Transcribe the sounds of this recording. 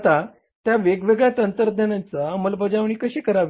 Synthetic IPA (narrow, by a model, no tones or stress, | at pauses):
t̪a | t̪jaʋeɡʋeɡɭjat̪ənt̪əɾd̪ʱənãnt͡saməlbəd͡zaʋɳ̃iːkəɕiːkəɾaʋ